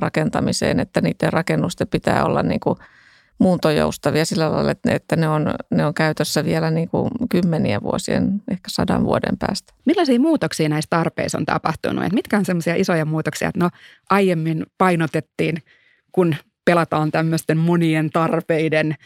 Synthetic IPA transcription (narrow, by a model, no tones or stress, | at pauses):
rɑkent̪ɑmisḛːnet̪ːæniːt̪ːerɑkenːust̪epit̪æ̰ːo̰lːɑ̰nnḭːŋku | muːt̪ojo̰ust̪ɑʋiɑsilːælɑ̰ilːɑet̪et̪ːæneonneoŋkæyt̪øsːæʋielæniːŋkṵkymːeniḛʋʋṵosiḛnʔehkæ̥sɑdɑ̰ʋʋuodḛmpæ̰ːst̪æ̥milːɑsiːmuːt̪oksiːnæist̪ɑrpḛiso̰nt̪ɑ̰pɑht̪ṵnṵḛt̪mit̪kæonsemːosiɑʔisojɑmuːt̪oksiɑ̰ḛt̪no | ʔɑjjemːinpɑinot̪et̪ːiːn | kun | pelɑt̪ɑːnt̪æmːøst̪emmonient̪ɑrpeiden